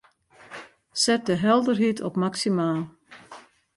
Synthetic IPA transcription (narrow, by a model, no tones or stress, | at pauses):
sɛt̚dəɦɛlˠdərɦitʰɔpmaksimaːlˠ